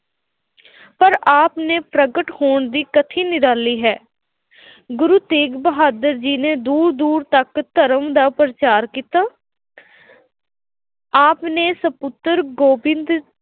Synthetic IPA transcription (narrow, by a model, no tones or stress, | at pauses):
pəɾaːpneːpɾəɡəʈhoːɳd̪iːkət̪ʰiːnɪɾaːliːɦɛː | ɡʊɾuːt̪eːɡbəɦaːd̪əɾd͡ʒiːneːd̪uːɾd̪uːɾt̪əkt̪əɾəmd̪aːpɾət͡ʃaːɾkiːt̪aː | aːpneːsəpʊt̪əɾɡoːbɪ̃nd̪